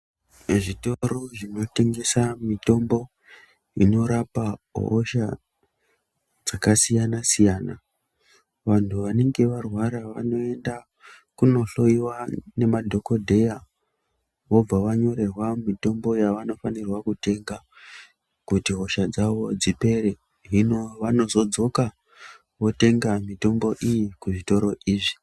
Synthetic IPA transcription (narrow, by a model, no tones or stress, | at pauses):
ʐito̞ɾo̞ʐino̞te̞ŋɡe̞samito̞mbo̞ | ino̞ɾapa̰oʃa | d͡zakasijanasijana | ʋantʰuʋane̞ŋɡe̞ʋarwaɾaʋa̰no̞e̞nda | kuno̞ɬo̞iwane̞madʱo̞ko̞dʱe̞ja | ʋo̞b͡vaʋaɲo̞ɾe̞rwamito̞mbo̞jaʋano̞fanirwakute̞ŋɡa | kutiɦo̞ʃad͡zaʋo̞d͡zipe̞ɾe | ɦino̞ʋano̞zo̞d͡zo̞ka | ʋo̞te̞ŋɡamito̞mbo̞ʔijikuʐito̞ɾo̞ʔiːʐi